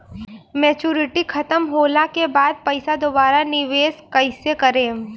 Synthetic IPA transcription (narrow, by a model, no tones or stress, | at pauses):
mɛːt͡ʃuːɾɪʈikʰɐt̪əmɦoːlakebaːd̪̚pɐɪsad̪obaːɾanɪʋeːskɐɪsekɐɾẽː